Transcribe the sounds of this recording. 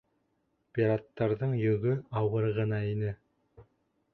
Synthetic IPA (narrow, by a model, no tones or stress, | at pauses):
pʲiɾat̪ːɑɾðɤɴjɵ̆ɡɵɑwɤɾʁɤ̆nɑinɘ